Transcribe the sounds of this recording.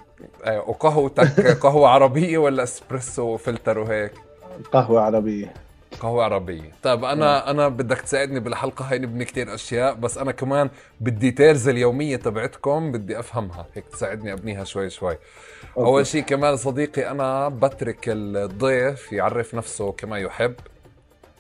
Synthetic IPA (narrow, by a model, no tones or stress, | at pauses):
ʔeːwqɑɦwt̪akqɑɦwaʕɑɾˤɑbɪjːewalːaʔɪspɾeswfɪlt̪ɑɾˤwɦeːk | qɑhwaʕɑɾˤɑbɪjːe | qɑhwaʕɑɾˤɑbɪjːet̪ˤɑjːbʔanaʔanabɪd̪ːakt̪saːʕɪd̪nibɪlħɑlqɑɦaːjnɪbnikt̪iːɾʔaʃjaːʔbasːʔanakamaːn | bɪd̪ːit̪eːɾzaljoːmɪjːet̪ˤɑbʕɪt̪kʊmbɪd̪ːiʔafhamha̰heːk̚t̪saːʕɪd̪niʔabniːɦaʃwajːʃwajː | ʔʔawːalʃiːkamaːnsˤɑd̪iːqiʔanabat̪ɾɪkɪld̪ˤːeːfjʕɑ̰rːɪfnafsʊkamajʊħɪbː